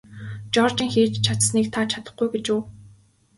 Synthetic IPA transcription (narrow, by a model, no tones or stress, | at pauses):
t͡ɕɔrt͡ɕiːŋxiːt͡ɕt͡ɕʰat̪sniːk̚t̪ʰat͡ɕʰat̪ə̆χɡujɡet͡ɕʊː